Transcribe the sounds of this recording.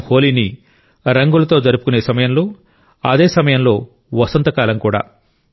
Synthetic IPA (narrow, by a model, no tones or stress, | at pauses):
ho̞ːliːni | ɾɐŋɡulɐt̪o̞ːd͡ʒɐɾupu̥kune̞ːsɐmɐjɐmlo̞ː | ɐd̪e̞ːsɐmɐjɐmlo̞ː | ʋɐsɐnt̪ɐkaːlɐmkuːɽa̰ː